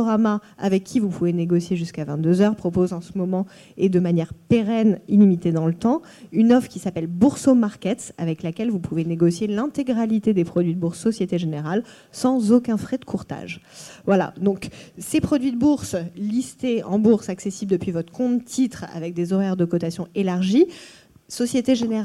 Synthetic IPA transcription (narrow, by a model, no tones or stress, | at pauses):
ɔʁamaa̰vɛkʲːivupuveneɡɔsjeʒyskavɛ̃t̪̚d̪øzœʁpχɔpozɑ̃səmɔmɑ̃ | ed̪əmanjɛʁpeʁɛnilimit̪ed̪ɑ̃lət̪ɑ̃ | ynɔfkʲisapɛlbuʁsomaʁkʲɛt̪a̰vɛklakʲɛlvupʰuveneɡɔsjelɛ̃t̪eɡʁalit̪ed̪epχɔd̪ɥid̪əbuʁsːɔsjet̪eʒeneʁal | sɑ̃zokʲɛ̃fχɛd̪əkʰuʁt̪a̰ʒvwala̰d̪ɔ̃ksepχɔd̪ɥid̪əbuʁslist̪eɑ̃buʁsaksesibld̪əpɥivɔt̪χə̥kɔ̃t̪t̪it̪χa̰vɛk̚d̪ezɔʁɛʁd̪əkɔt̪asjɔ̃elaʁʒi | sɔsjet̪eʒeneʁ